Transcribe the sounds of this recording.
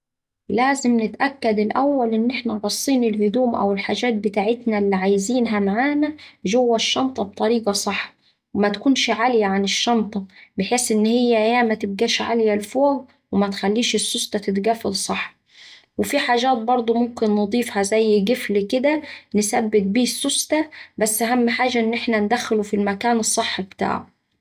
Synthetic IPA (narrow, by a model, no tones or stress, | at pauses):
læːzɪmnɪt̪ʔækːæd̪ɪlʔæwːælʔɪnːʔeħnæɾˤɑsˤːiːnɪlhʊd̪uːmʔæ̰wɪlħaːʒæːt̪̚bɪt̪aːʕɪt̪nælːiʕajziːnɦæmaʕaːnæʒʊwːæʃːɑnt̪ˤɑb̚t̪ˤɑɾiːɡɑsˤɑħː | wɪmæt̪kuːnʃʕaljæʕanɪʃːɑnt̪ˤɑbɪħeːsʔɪnːhɪjːæjæːmæt̪ɪb̚ɡæːʃʕa̰ljælfoːɡ | wɪmæt̪xælːiːʃɪsːost̪ˤɑt̪ɪt̪ɡæfælsˤɑħː | wɪfiħaːʒæːt̪̚bɑɾˤd̪ˤomʊmkɪnːɨd̪ˤiːfhæzæjːɡɪflkɪd̪ænɪsæbːɪt̪̚biːsːost̪æbæsːʔæɦæmːħaːʒæʔɪnːʔeħnænd̪æxːɪlufilmækæːnɨsˤːɨħːbt̪a̰ːʕu